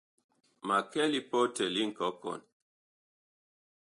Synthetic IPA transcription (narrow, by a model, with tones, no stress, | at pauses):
ma˨kɛ˦li˦pɔ˦tə˨li˦ŋ̩˨kɔ˨˦kɔ̰˨n